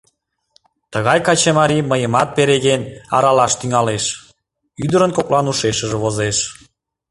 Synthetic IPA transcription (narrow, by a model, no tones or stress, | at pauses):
t̪əɣɑjkɑt͡ɕemɑɾiməjəmɑt̪̚peɾeɣenɑ̰ɾɑlɑʃt̪yŋɑleʃ | yd̪əɾənkoklɑnuʃeʃəʒĕβozeʃ